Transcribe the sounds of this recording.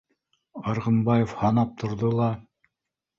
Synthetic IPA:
ɑɾʁɤ̆mbɑjofhɑnɑp̚t̪ʰŏɾðolˠɑ

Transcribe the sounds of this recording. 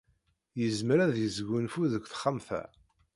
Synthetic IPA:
jəzməɾæðjəzɡːunfuðəɡʷːθə̥χːəmθæ̰

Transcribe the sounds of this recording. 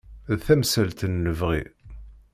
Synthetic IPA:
ðθæmsælt̪ənːəvʁḭ

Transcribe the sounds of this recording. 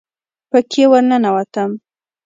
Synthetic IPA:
pəkʰewəɾnənawat̪əm

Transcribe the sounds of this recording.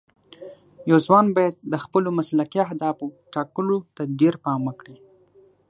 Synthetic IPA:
jawzwɑnbɑjad̪̚ːəxpəlomaslakijaɦd̪ɑfoʈɑkəlot̪adeɾpɑmwəkɽi

